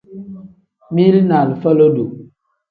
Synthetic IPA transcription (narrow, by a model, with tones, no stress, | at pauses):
mi˦lna˨lfə˦lo˦do˨